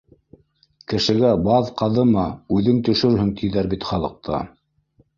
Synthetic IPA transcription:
kɘ̆ʃɘ̆ɡæbɑðqɑðɤmɑʉðɘŋt̪ɵ̆ʃɵɾhɵŋt̪ʰiðæɾbit̪χɑlˠɤ̆q̚t̪ʰɑ̰

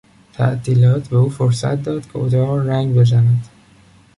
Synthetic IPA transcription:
t̪ʰæ̰ʔt̪ʰiːlɒːt̪ʰbe̞uːfoɾsæ̰t̪̚d̪ɒːd̪̥kʲʰeod̪ɒːɾɾæŋɡbe̞zænæd̪̥

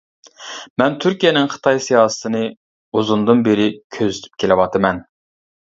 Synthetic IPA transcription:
mɛnt̪ʰyɾkʲijɛnɪŋχə̥t̪ʰɑjsijɑːsə̥t̪ʰɨnɨ | uzund̪ɨnbeɾɪkʲʰøzyt̪ʰy̥p̚kʲʰelɪwɑt̪ʰɨmɛn

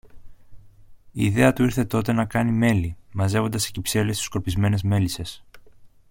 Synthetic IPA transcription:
iːðe̞ɐt̪uiɾθe̞t̪o̞t̪e̞nɐkɐnime̞limɐze̞vo̞nd̪ɐse̥cipse̞lest̪u̥sko̞ɾpizme̞ne̞zme̞lise̞s

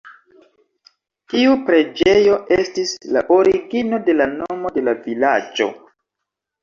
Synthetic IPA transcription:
kiupɾe̞d͡ʒe̞jo̞estisla̰ʔoɾiɡino̞de̞lanomo̞de̞lavilad͡ʒo̞̰

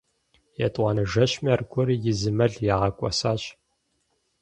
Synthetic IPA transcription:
jɛtʼwʷɑnɨʒɐɕmjɛrɡʷʼʊɾijɪzɨmɐɮjaːʁɐkʷʼɔ̰saːɕ

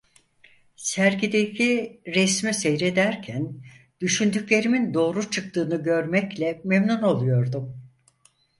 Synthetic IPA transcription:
sæɾɟid̪ecʰiɾɛsmisejɾed̪æɾcʰæn | d̪̥yʃynd̪ycʲlʲe̞ɾimind̪o̞ːɾut͡ʃʰɯk̚t̪ɯːnɯɟø̞ɾmɛclʲɛmemnuno̞lˠujo̞ɾd̪um

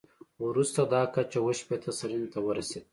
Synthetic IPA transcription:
wɾust̪ad̪ɑkat͡ʃawəʃpet̪ʰasaɾint̪awəɾased̪̚

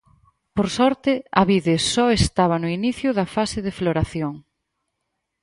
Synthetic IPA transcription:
poɾsɔɾt̪ɪɐβiðesɔest̪aβ̞ɐnʊiniθjʊðɐfasɪðɪfloɾaθjoŋ

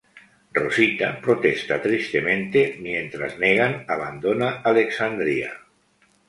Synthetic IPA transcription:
rosit̪apɾot̪est̪at̪ɾist̪emẽnt̪emjent̪ɾa̰zneɣ̞anaβ̞and̪onaaleksand̪ɾia̰

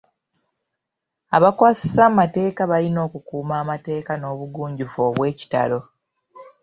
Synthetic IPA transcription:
aβakwaːsi̥saːmate̞ːkaβalino̞ːkukuːmaːmate̞ːkano̞ːβuɡuːɲɟufo̞ːβwe̞ːci̥ta̰lo̞

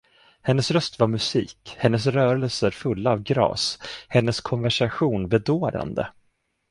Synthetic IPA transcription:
hɛnːəsɾœst̪vaɾmɵsiːkhɛnːəs̬ɾœːɾəlsəɾfɵlːaːvɡɾɑ̰ːshɛnːəskʰɔnvæʂaɧuːnbɛd̪oːɾa̰nd̪ə̰

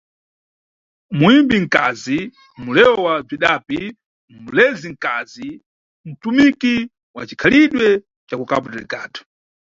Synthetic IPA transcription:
muimbiŋ̩kazi | mulɛwɔwab͡ʐiɗapi | mulɛziŋ̩kazi | m̩tumiki | wa̰t͡ʃikʰaliɗwɛ | t͡ʃakukapɔtɛlikaːtɔ̥

